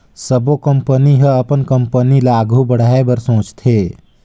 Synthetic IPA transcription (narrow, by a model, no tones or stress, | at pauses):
səbokəmpəniɦəɐpənkəmpənilaːɡʱubəɽ̤aːebəɾsõːt͡ʃt̪ʰeː